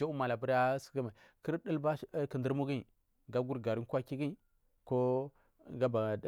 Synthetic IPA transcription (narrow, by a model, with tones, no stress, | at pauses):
a˦u˦ma˨la˨bu˦ɾa˦sə̥˦kə˦ma˨ | kə˦ɾdə˦lba˦kə˨ndə˦ɾmu˦ɡi˦˨ | ɡa˦ɡu˦ɾɡa˨ɾi˦n˦kʷa˦ki˦ɡi˦ | ko˦ | ɡa˦ba˨˦